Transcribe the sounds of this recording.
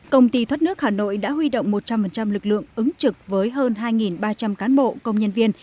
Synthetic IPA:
kə˧wŋ͡mt̪i˧t̪ʰwə˦˥t̚nɨ˦˥ək̚haː˨˩no̰˧˨jɗa̰ː˧˥ɦwi˧ɗo̰˧˨wŋ͡mmo˨˩t̚t͡ɕa˧mfə˨˩nt͡ɕa˧mlɨ˨˩k̚lɨ̰˧˨əŋʔɨ˨˦ŋt͡ɕɨ˨˩k̚vəː˨˦jɦəː˧nɦaː˧jŋi˨˩nɓaː˧t͡ɕa˧mkaː˨˦nɓo̰˧˨kə˧wŋ͡mɲə˧nvi˧ən

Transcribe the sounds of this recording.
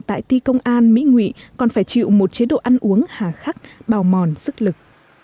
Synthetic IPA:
t̪a̰ː˧˨jt̪i˧kə˧wŋ͡mʔaː˧nmḭ˧˥ŋwḭ˧˨kɔ˨˩nfaː˧˩jt͡ɕḭ˧˨wmo˨˩t̚t͡ɕe˨˦ɗo̰˧˨ʔa˧nʔu˨˦əŋhaː˨˩xaː˦˥k̚ɓaː˨˩wmɔ˨˩nsɨ˦˥k̚lɨ˨˩k̚

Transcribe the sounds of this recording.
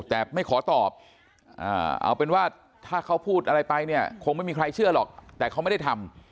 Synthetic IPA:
t̪ɛː˨˩ma˥˩jkʰɔː˩˦t̪ɔː˨˩p̚ | ʔa̰ː˧˩ʔa̰˧wpe˧nwaː˥˩ | t̪ʰaː˥˩kʰa˦˥˩wpʰuː˥˩t̪̚ʔa˧ɾa˧jpa˧jni˥˩ɐkʰo˧ŋma˥˩jmiː˧kʰɾa˧jt͡ɕʰɯ˥˩ɐlɔ̰ː˨˩k̚t̪ɛː˨˩a˥m˥˩jda˥˩t̪ʰa˧m

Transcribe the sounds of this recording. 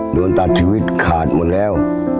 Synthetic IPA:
doː˧nt̪a˧˩t̪̚ʰːi˧wi˦˥t̪̚kʰaː˨˩t̪̚mo˨˩t̪̚lɛː˦˥˨w

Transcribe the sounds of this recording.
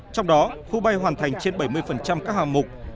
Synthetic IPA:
t͡ɕɔ˧wŋ͡mɗɔ˨˦xu˧ɓa˧jɦwaː˨˩nt̪ʰa˨˩jŋ̟t͡ɕe˧nɓə˧˩jmɨ˧əjfə˨˩nt͡ɕa˧mkaː˦˥k̚haː˨˩mʊ˨˩k͡p̚

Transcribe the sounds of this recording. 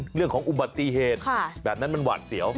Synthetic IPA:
ɾɯ˥˩əŋkʰɔː˩˦ŋʔu˧˩ba˨˩t̪ːi˧ɦeː˨˩t̪̚kʰa˧˥˩bɛː˨˩p̚na˦˥nma˧nwa̰ː˨˩t̪̚si˩˦əw

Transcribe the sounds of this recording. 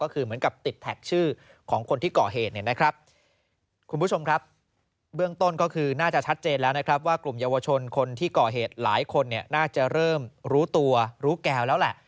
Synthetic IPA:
kɔː˥˩kʰɯː˧mɯ˩˦nka˨˩p̚t̪i˨˩t̪ʰːɛ˨˩k̚t͡ɕʰɯː˥˩ | kʰɔː˩˦ŋkʰo˧nt̪ʰiː˥˩kɔː˨˩ɦeː˨˩t̪̚ni˥˩əna˦˥kʰɾa˦˥p̚ | kʰu˧npʰu˦˥˩o˧mkʰɾa˦˥p̚ | bɯ˥˩əŋt̪o˥˩nkɔː˥˩kʰɯː˧naː˥˩t͡ɕa˨˩t͡ɕʰa˦˥t̪̚t͡ɕeː˧nlɛː˦˥wna˦˥kʰɾa˦˥p̬̚waː˥˩klu˨˩mjaː˧wa˧t͡ɕʰo˧nkʰo˧nt̪ʰiː˥˩kɔː˨˩ɦeː˨˩t̪̚laː˩˦jkʰo˧nːi˥˩ɐnaː˥˩t͡ɕa˨˩ɾɤː˥˩mɾuː˦˥t̪u˧ɐɾuː˦˥kɛː˧wlɛː˦˥wlɛ˨˩ʔ

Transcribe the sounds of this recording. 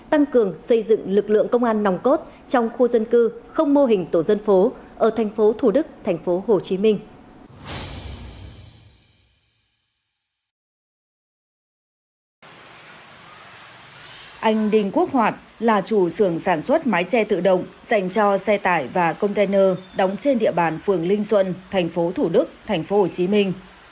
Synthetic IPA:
t̪a˧ŋkɨ˨˩əŋsə˧jzɨ̰˧˨ŋlɨ˨˩k̚lɨ̰˧˨əŋkə˧wŋ͡mʔaː˧nːa˨˦wŋ͡mko˦˥t̚ | t͡ɕɔ˧wŋ͡mxu˧zə˧nkɨ˧xə˧wŋ͡mmo˧ɦï˨˩ŋ̟t̪o˧˩zə˧nfo˨˦ʔəː˧˩t̪ʰɛ˨˩jŋ̟fo˨˦t̪ʰu˧˩ɗɨ˦˥k̚t̪ʰa˨˩jŋ̟fo˨˦ɦo˨˩t͡ɕi˨˦mï˧ŋ̟ | ʔa˧jŋ̟ɗï˧˩ŋ̟ku˦˥ək̚hwaː˨˩t̚laː˨˩t͡ɕu˧˩sɨ˧˩əŋsaː˧˩nswə˦˥t̚maː˨˦jt͡ɕɛ˧t̪ɨ̰˧˨ɗə̰˧˨wŋ͡mz̥a˧˩jŋ̟t͡ɕɔ˧sɛ˧t̪aː˧˩jvaː˨˩kə˧wŋ͡mt̪e˧nəː˧ɗɔ˨˦wŋ͡mt͡ɕe˧nɗḭ˧˨əɓaː˧˨˩nfɨ˨˩əŋlï˧ŋ̟swə̰˧˨nt̪ʰa˨˩jŋ̟fo˨˦t̪ʰu˧˩ɗɨ˦˥k̚t̪ʰa˨˩jŋ̟fo˨˦ho˧˨˩t͡ɕi˨˦mï˧ŋ̟

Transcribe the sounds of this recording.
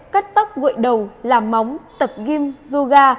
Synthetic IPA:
ka˦˥t̚t̪a˦˥k͡p̚ɣo̰˧˨jɗə˨˩wlaː˨˩mːa˨˦wŋ͡mt̪ə˨˩p̚ɣi˧mzu˧ɣaː˧

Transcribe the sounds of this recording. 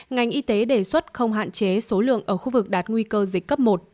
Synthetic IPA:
ŋa˨˩jŋ̟ʔi˧t̪e˨˦ɗe˧˩swə˦˥t̚xə˧wŋ͡mɦa̰ː˧˨nt͡ɕe˨˦so˨˦lɨ̰˧˨əŋʔəː˧˩xu˧vɨ˨˩k̚ɗaː˨˩t̚ŋwi˧kəː˧zi˨˩k̟̚ːə˦˥p̚mo˨˩t̚

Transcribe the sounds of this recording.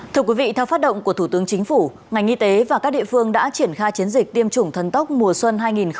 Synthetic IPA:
t̪ʰɨ˧əkwi˨˦vḭ˧˨t̪ʰɛ˧wfaː˦˥t̚ɗə̰˧˨ŋ͡mku˧˩ət̪ʰu˧˩t̪ɨ˨˦əŋt͡ɕï˨˦ŋ̟fu˧˩ | ŋa˨˩jŋ̟ʔi˧t̪e˨˦vaː˨˩kaː˦˥k̚ɗḭ˧˨fɨ˧əŋɗa̰ː˧˥t͡ɕi˧˩ənxaː˧jt͡ɕi˨˦ənzï˨˩k̚t̪i˧əmt͡ɕʊ˨˧˩ŋ͡mt̪ʰə˨˧˩nt̪ə˦˥k͡p̚mu˨˩əswə˧nɦaː˧jŋi˨˩n

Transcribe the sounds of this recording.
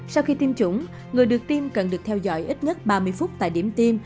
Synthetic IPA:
sa˧wxi˧t̪i˧mt͡ɕʊ˧˦ŋ͡m | ŋɨ˨˩əjɗɨ˨˩ək̚t̪i˧mkə˨˩nɗɨ˨˩ək̚t̪ʰɛ˧wzɔ̰˧˥jʔi˦˥t̚ɲə˦˥t̚ɓaː˧mɨ˧əjfʊ˦˥t̚t̪a̰ː˧˨jɗi˧˩əmt̪i˧m

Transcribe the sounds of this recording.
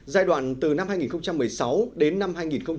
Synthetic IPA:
zaː˧jɗwa̰ː˧˨nt̪ɨ˨˩na˧mhaː˧jŋi˨˩xə˧ŋ͡mt͡ɕa˧mːɨ˨˩əjsa˨˦wɗe˨˦nːa˧mɦaː˧jŋi˨˩nxə˧ŋ͡m

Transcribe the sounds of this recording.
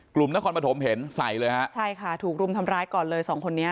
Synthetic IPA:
klu˨˩mna˦˥kʰɔː˧npa˧t̪ʰo˩˦mɦe˨˩˦nsa˨˩jlɤː˧jha˦˥ʔt͡ɕʰa˥˩jkʰa˥˩t̪ʰuː˨˩k̚ɾu˧mt̪ʰa˧mɾaː˦˥jkɔː˨˩nlɤː˧jsɔː˩˦ŋkʰo˧nːi˦˥ɐ

